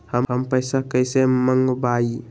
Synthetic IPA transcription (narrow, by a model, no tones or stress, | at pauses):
həɦəmpəjsakəjseməŋɡbai